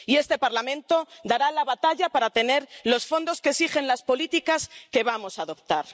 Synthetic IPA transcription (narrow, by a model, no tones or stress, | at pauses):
ie̞st̪e̞paɾlamẽ̞nt̪o̞d̪aɾalaβat̪aʎapaɾat̪e̞ne̞ɾlo̞sfo̞nd̪o̞skesiχe̞nlaspo̞lit̪ikaske̞β̞amo̞saðo̞p̚t̪aɾ